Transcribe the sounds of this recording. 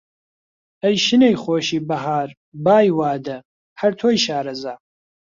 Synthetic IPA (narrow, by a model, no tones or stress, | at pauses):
ɐjʃɨnejχoːʃiːbɐɦaːɾ | baːjwaːd̪ɐ | hɐɾt̪ʰoːjʃaːɾɐzaː